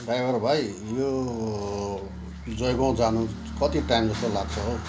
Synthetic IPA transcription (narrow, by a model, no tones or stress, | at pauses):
ɖajbʌrbʱaj | jo | d͡zʌjɡõd͡zanu | kʌt̪iʈajmd͡zʌst̪olaɡt͡sʰʌɦo